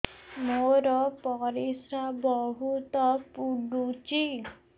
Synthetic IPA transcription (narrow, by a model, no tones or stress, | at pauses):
moɾɔpɔɾisɾabɔɦut̪ɔpuɖut͡ʃi